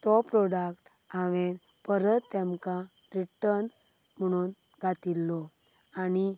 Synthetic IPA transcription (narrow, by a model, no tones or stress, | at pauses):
t̪ɔpɾɔɖakʈ | aʋen | pəɾət̪ːɛmkã | ɾiʈəɾn | m̤əɽ̃uːn | ɡʱat̪ilːɔ | ani